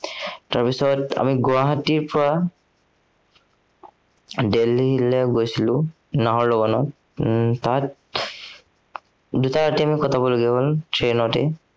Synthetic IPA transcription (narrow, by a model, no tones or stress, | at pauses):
taɹpisɔta̰miɡaɦatiɹpɔɹa | deliɦilɛɡojsilʊ̃ | naɦɔɹlɔɡɔnɔt | tat̚ | dutaɹatiamikɔtʰabɔloɡiɛɦɔltɹenɔtɛ̰